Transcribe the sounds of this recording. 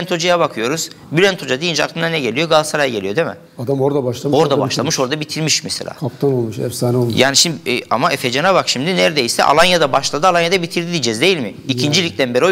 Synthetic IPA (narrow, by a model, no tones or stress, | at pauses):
nt̪ʰo̞d͡ʒajaβakʰɯjo̞ɾuz̥ | bylʲænt̪ʰo̞d͡ʒad̪ijind͡ʒa̰kt̪ʰɯnanɛɟe̞lʲijo̞ɡalˠsaɾajɟelʲijo̞d̪emɪ̰ | ad̪amoɾd̪abaʃlˠamo̞ɾd̪abaʃlˠamɯʃo̞ɾd̪abit̪ʰiɾmiʃmɛselʲa̰ːkʰapt̪ʰanolˠmuʃɛ̰fsanolˠmjaːniʃimd̪ia̰maʔefed͡ʒanabakʃimd̪inæɾd̪ejisɛ̰ʔa̰lˠanjad̪abaʃlˠad̪ɯalˠanjad̪abit̪ʰiɾd̪id̪id͡ʒɛzd̪e̞jilʲmɪicʰind͡ʒilʲic̚t̪ʰænbeɾio